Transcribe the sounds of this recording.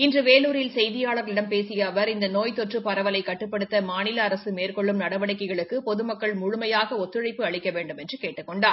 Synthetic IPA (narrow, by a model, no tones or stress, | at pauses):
ɪndrɯʋeːluːɾɪlsɛjðɪjaːɭɐɾɪɽɐmpeːsɪjɐːʋɐɾɪnd̪ɐnoːjt̪ɔʈrɯpɐɾɐʋɐlɐɪkːɐʈːɯpːɐɽɯt̪ːɐmaːnɪlɐːɾɐsɯmeːrkɔɭːɯmnɐɽɐʋɐɽɐɪkːɐɪɣɐɭɯkːɯpɔðɯmɐkːɐɭmʊɻʊmɐjaːɣɐɔt̪ːɪɻɐɪpːɯɐɭɪkːɐʋeːɳɖɯmɛndrɯkeːʈːɯkːɔɳɖaː